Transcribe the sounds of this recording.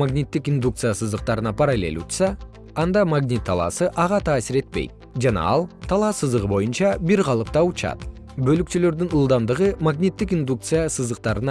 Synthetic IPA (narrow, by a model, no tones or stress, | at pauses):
maɡnʲit̪ːɪkind̪ukt̪sɨjasəzd̪əq̚t̪ɑɾənɑpʰɑɾɑle̞̰lut̪sɑ | ɑnd̪ɑmaɡnʲit̪ʰːɑlˠɑ̰səʔɑʁɑt̪ʰɑːsɪɾe̞t̪̚pejd̪̚ | ʒɑnɑ̰ɑlˠt̪ʰɑlˠɑsəzd̪əʁəbo̞jənʃɑbɪɾʁɑlˠəp̚t̪ɑwʊt͡ʃɑ̰d̪ | bɵlɪkt̪ele̞ɾd̪ɪŋʊlˠd̪ɑmd̪əʁəmaɡnʲijt̪ːɪkind̪uk̚t̪sɨjasəzd̪əq̚t̪ɑɾənɑ